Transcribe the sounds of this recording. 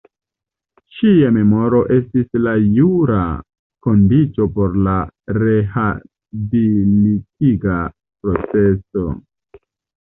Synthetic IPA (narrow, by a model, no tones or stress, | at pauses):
ʃiame̞mo̞ɾo̞ʔe̞stislajuɾa | ko̞ndit͡so̞po̞ɾlaɾe̞ha | bilitiɡa | pɾo̞t͡seso̞